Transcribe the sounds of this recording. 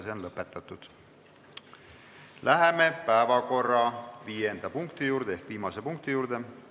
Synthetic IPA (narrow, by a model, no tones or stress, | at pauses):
seonlɤpːˑe̞t̪ːˑɑt̪ːˑud̪̥ | lʔæɦe̞me̞pæevɑko̞rːɑviːjend̪̥ɑpuŋkt̪ijuːɾd̪̥ee̞hkviːmɑse̞puŋk̚t̪ijuːɾd̪̥e̞